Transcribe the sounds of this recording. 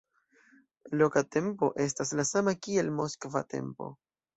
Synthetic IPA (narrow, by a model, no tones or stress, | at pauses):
lo̞kate̞mpo̞̰ʔe̞s̬taslasamakie̞lmo̞skva̰te̞̰mpo̞̰